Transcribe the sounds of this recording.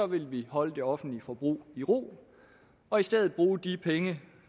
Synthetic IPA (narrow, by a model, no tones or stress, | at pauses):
ɒ̽ʋe̝lʋihɒ̽ləd̥e̝ɒ̽fn̩d̥lifɒ̽b̥ʁṵːiʁo̝̰ː | ɒ̽isd̥eð̞ˠð̩ˠb̥ʁuːd̥ipʰeŋə